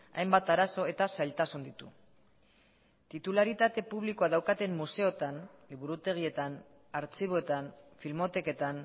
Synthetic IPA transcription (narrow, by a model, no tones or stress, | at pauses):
a̰jmbat̪aɾaso̞e̞t̪asajlt̪asund̪it̪ṵ | t̪it̪ulaɾit̪at̪e̞puβ̞liko̞aðawkat̪e̞mːuse̞o̞t̪an | liβ̞uɾut̪e̞ɣ̞ie̞t̪an | aɾt͡siβoet̪anfilmo̞t̪e̞ke̞t̪an